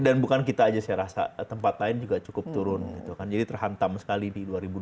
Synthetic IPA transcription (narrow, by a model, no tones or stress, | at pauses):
danbukankit̪aːd͡ʒasəaɾasa̰t̪əmpat̪laɪnd͡ʒuɡat͡ʃukʊp̚t̪uɾʊnɡit̪ukand͡ʒadit̪ərɦant̪amsə̥kalididuaɾibu